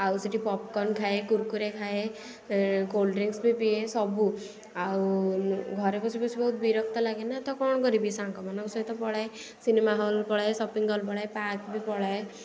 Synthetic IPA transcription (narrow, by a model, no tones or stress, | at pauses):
awsiʈipɔp̚kɔnkʰaekuɾkuɾekʰae | kolɖɾiŋsbʱipiesɔbu | awɡʱɔɾepɔt͡ʃʰipɔt͡ʃʰibɔɦut̪̚biɾɔk̚ʰt̪ɔlaɡenat̪ɔkɔɽ̃kɔɾibʱisãŋkɔmanɔksɔit̪ɔpɔɽae | sinemaɦɔlpɔɽajsɔpiŋɡɔlpɔɽajpakbʱipɔɽae